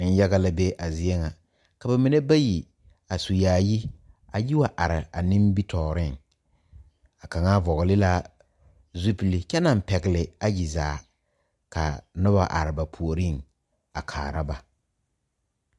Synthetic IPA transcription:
n̩˦jɛ˦ɣa˦la˦be˦ʔa˨zɪ˦ɛ˦ŋa˨ | ka˨ba˨mi˨ne˦ba˦ji˨ | a˨su˨jaː˨ji˦ | a˨ji˦wa˨ʔa˨ɾɪ˨a˨nɪ˦mbi˦tʰɔː˨ɾɪ˦˨ŋ | a˨ka˨ŋa˦vɔ˨ɣɪ˨lɪ˦la˦ | zu˦pi˨lɪ˦kɛ˦na˨m˨pɛ˨ɡɪ˨lɪ˨a˦ji˨za̰ː˨˦˨ | ka̰˨nʊ˦ba̰˨ʔa̰˨ɾɪ˨ba˨pʰu˨o˨ɾi˦˨ŋ | a˨kʰa̰ː˨ɾa˦ba˨

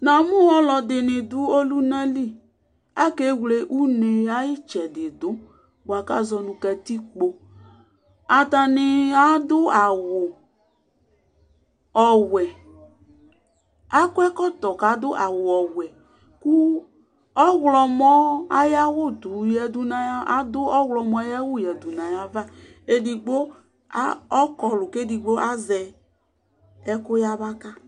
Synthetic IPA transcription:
nã˨mʊ̃˦ɔ˦lɔ˨d̪ɪ˨nɪ̃˨d̪ʊ˦o˦lu˦na˦li˦˨ | a˦ke˦wle˨ʔu˦ne˨a˦jɪ˦t͡ʃɛ˨dɪ˨d̪ʊ˦ | ba˨ka˦zɔ˨nʊ̃˨kɛ˨t̪i˦k͡po˨ | a˨t̪a˨nɪ˨a˦dʊ˦a˨wʊ˨ | ɔ˨wɛ˨ | a˦kʊ˦ɛ˦kɔ˦t̪ɔ˨ka˨˦d̪ʊ˦ʔa˨wʊ˨ɔ˨wɛ˨ | ku˦ | ɔ˦ɣlɔ˨mɔ˦a˦ja˦wʊ˦d̪u˨jɛ˨d̪u˨nã˨ja˦a˦d̪ʊ˦ɔ˦wlɔ˨mɔ̃˨˦a˦ja˦wʊ˦˨jɛ˨d̪u˨nã˨ja˨va˦ | e˦di˨ɡ͡bo˦ | a˦ɔ˦kɔ˨lʊ˨ke˦di˨ɡ͡bo˦ʔa˦zɛ˨ | ɛ˦kʊ˦ja˦βa˦ka˦

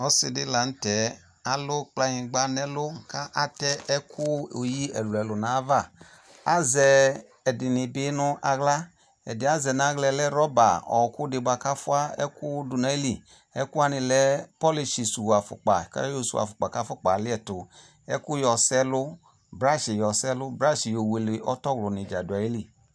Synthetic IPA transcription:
ɔ˦si˧dɪ˦la˨n̩˦tɛ˨˦ | a˦lʊ˦k͡pla˧hĩ˨ɡ͡ba˦nɛ˦lʊ˦ka˦ʔa˦tɛ˦ɛ˦kʰu˦o˨ji˦ɛ˨lu˨ɛ˨lu˨na˨˦va˦˨ | a˦zɛː˨ | dɪ˨ni˨bɪ˦nʊ˧ʔa˧ɣla˦ | ɛ̰˨dɪ˨a˦zɛ˨na˨˦ɣlɛ˧lɛ˦ɾɔ˦ba˨ɔ̰˨ku˦de˨ba˨ka˦fu˦a˦ɛ̰˦ku˦du˧na˨˦i˦li˨ | ɛ˦ku˦a˦ni˧lɛ˨˦pɔ˦li˧ʃi˨su˨wa˨fʊ̰˨k͡pa˨ka̰˦jo˧˨su˨a̰˨fʊ˨k͡pa˨ka˦fu˦k͡pa˨lɪ˦ɛ˨tʊ˨ | ɛ˦ku˦jɔ˨sɛ˦lʊ˦ | bɾa˦ʃi˨jɔ˨sɛ˦lʊ˦bɾa˦ʃi˨jo˨we˨li˨ʔɔ˦tɔ˦˨wlu˨ni˨d͡ʒa˨du˨a˨i˦li˦˨

